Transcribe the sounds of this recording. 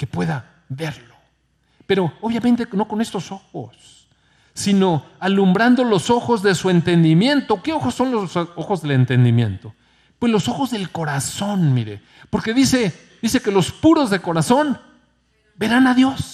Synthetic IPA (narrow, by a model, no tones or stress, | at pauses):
ke̞pwe̞ða | βe̞ɾlo̞ | pe̞ɾo̞oβjament̪̬e̞no̞ko̞ne̞st̪o̞so̞xo̰sː | ino̞alumbɾand̪o̞lo̞so̞xo̞zðe̞sue̞nt̪e̞nd̪imje̞nt̪oke̞oxosːo̞nlosoxozðele̞nt̪e̞nd̪imje̞̰nt̪o̞ | pwe̞zlo̞so̞xo̞zðe̞lko̞ɾaso̞nmiɾḛ | po̞ɾke̞ðise | ðise̞ke̞lo̞spuɾo̞zðeko̞ɾaso̞n | be̞ɾanaðjo̞s